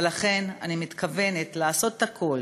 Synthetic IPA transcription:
laχe̞nanimit̪kʰave̞net̪laːso̞t̪takʰol

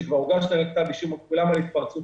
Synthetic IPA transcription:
kvaʁuɡaʃlaʁak̚t̪abiʃumakulamalit̪paʁt͡su

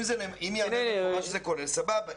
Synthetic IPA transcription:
mzelemimjanaʃezekoɾesababa

